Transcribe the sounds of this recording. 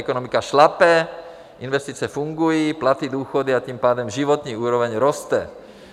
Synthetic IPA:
ɛkɔnɔmikaʃlapɛ | ʔinʋɛst̪iːt͡sɪɛfuŋɡujiplat̪id̪uːxɔd̪iat̪iːmpaːd̪ɔmʒiʋɔt̪niːuːɾɔʋɛɲɾɔst̪ɛ

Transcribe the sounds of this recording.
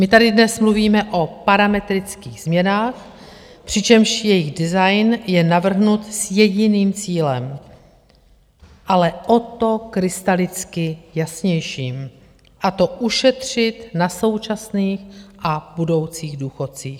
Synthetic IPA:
mɪt̪adɪdnɛsmluviːmɛʔo̞paɾamɛt̪ɾɪt͡skiːɣz̥mɲɛnaːx | pr̝̥ɪt͡ʃɛmʃjɛjɪɣdɪzajnjɛnavr̩ɦnut̪sjɛɟɪniːmt͡siːlɛm | ʔalɛʔo̞t̪o̞kɾɪst̪alɪt͡skɪjasɲɛjʃiːm | ʔat̪o̞ʔuʃɛt̪r̝̥ɪt̪naso̞wt͡ʃasniːxʔabudo̞wt͡siːɣduːxo̞t̪t͡siːx

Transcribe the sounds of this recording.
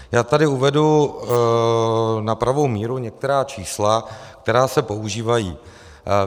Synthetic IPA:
jaːt̪adɪuvɛdu | napɾavo̞wmiːɾuɲɛk̚t̪ɛɾaːt͡ʃiːslak̚t̪ɛɾaːsɛpo̞uʒiːvajiː

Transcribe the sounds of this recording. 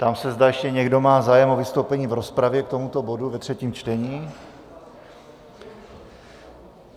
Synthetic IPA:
t̪amsɛzdaːjɛʃcɛɲɛɡdo̞maːzaːjɛmovɪst̪owpɛɲiːvɾo̞spɾavjɛk̚t̪o̞mut̪o̞bo̞duvɛt̪r̝̥ɛciːmt͡ʃt̪ɛɲiː

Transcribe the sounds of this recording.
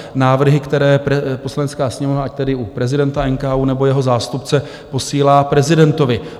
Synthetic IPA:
naːvr̩ɦɪkt̪ɛɾɛːɛpo̞slanɛt͡skaːsɲɛmovnaʔac̚t̪ɛdɪʔupɾɛzɪdɛnt̪aɛŋkaːʔuːnɛbo̞jɛɦo̞zaːst̪upt͡sɛ | po̞siːlaːpɾɛzɪdɛnt̪o̞vɪ

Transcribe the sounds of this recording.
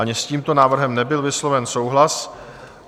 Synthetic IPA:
aɲɪsciːmt̪o̞naːvr̩ɦɛmnɛbɪlvɪslo̞vɛnso̞wɦlas

